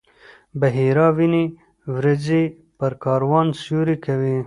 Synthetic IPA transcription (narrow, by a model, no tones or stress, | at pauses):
bɐɦiːɾɑːwini | wɾɐzi | pɐɾkɑːɾwɑːnsjuɾikʰɐwi